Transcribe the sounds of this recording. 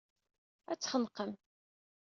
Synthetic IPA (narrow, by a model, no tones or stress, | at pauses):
æt͡sːχənqəm